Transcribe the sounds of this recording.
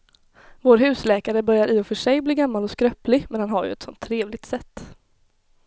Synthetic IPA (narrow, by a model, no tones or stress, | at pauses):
voːɾɦʉ̟ːslɛːkaɾəbœɾjaɾʔɪːɔfœʂɛjbliːɡamːalɔskɾœplɪmɛnhanɦaɾjɵ̰ɛt̪sɔ̰nt̪ʰːɾeːvlɪɡ̚t̪sɛt̪ː